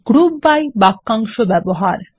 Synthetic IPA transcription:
ɡ̥ɾubbajbakːaŋʃobɛboɦaɾ

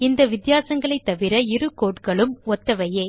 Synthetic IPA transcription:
ɪnd̪ɐʋɪd̪jaːsɐŋɡɐɭɐɪt̪ːɐʋɪɾɐɪɾɯkːoːʈkɐɭɯmɔt̪ːɐʋɐjeː

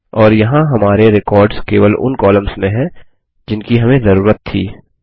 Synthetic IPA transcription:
ɔːɾjɐɦãɦɐmaːɾeɾɪkɔːɾɖskeːʋəlʊ̰nkɔːləmsmẽɦɛ̃ | d͡ʒɪnkiɦɐmẽzɐɾuːɾət̪ʰːḭː

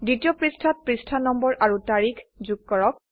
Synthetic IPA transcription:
ditijɔpɹistʰat̚pɹistʰanɔmbɔɹʔaɹutaɹikʰzuɡ̚kɔɹɔk̚

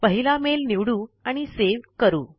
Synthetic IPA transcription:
pəɦilamelniʋɽuːaɽ̃iseʋkəɾuː

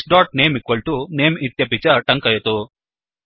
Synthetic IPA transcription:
ɖaːʈ̚neːmikʋɐɭʈuneːmit̪jɐpit͡ʃɐʈɐŋkɐjɐt̪u

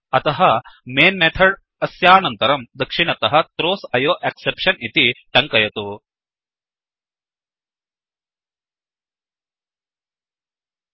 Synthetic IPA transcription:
ɐt̪ɐɦɐmeːnmeːt̪ʰɐɽ | ɐsjaːnɐnt̪ɐɾɐmd̪ɐkʂiɳ̃ɐt̪ɐɦɐ̆t̪ɾoːsɐjoːʔeksepʂɐnit̪iʈɐŋkɐjɐt̪u

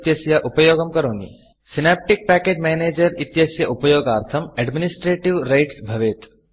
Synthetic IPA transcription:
t̪jɐsjaʔupɐjoːɡɐmkɐɾoːnḭ | sinaːp̚ʈik̚pæːkeːd͡ʒmeːneːd͡ʒɐɾit̪jɐsjɐʔupɐjoːɡaːɾt̪ʰɐmɛɖminisʈɾeːʈiʋɾɐɪʈsbʱɐʋeːt̪

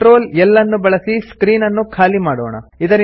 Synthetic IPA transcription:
ɾo̞ːlɛlːɐnːubɐɭɐsiskɾiːnɐnːukʰaːlimaːɽo̰ːɳɐ̰id̪ɐɾ

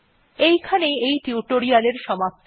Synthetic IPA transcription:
ejkʰaneejʈiuʈoɾialeɾʃɔmap̚t̪ʰ

